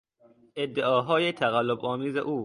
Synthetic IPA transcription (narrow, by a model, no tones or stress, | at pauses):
ʔed̪ːeʔɒːɦɒːjet̪ʰæɣælːobɒːmiːzḛʔuː